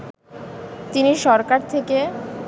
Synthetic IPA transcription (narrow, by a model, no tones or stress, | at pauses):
t̪iniʃɔɾkaɾt̪ʰeke